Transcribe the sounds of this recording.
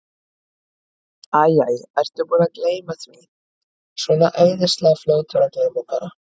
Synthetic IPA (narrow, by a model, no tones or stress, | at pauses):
aːjaːjɾɛjr̥t̪ʏɾpuːnakleːjmaθvi | sɔnaʔeːjnɪst̪laːfloːwt̪ʰʏɾaklejmupaɾa